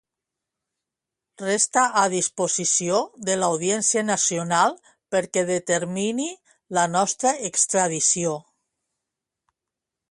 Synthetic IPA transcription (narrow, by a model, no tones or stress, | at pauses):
rest̪aʔaðispozisioðelawð̞jensianasionalˠ | peɾkɛðet̪eɾmini | lanɔst̪ɾaekst̪ɾað̞isio